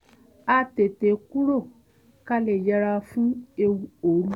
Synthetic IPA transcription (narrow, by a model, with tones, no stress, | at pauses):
a˧te˨te˨ku˦ɾo˦˨ | ka˧lɛ˨d͡ʒɛ˧ɾa˧fũ˦e˧wu˧o˨˦ɾu˦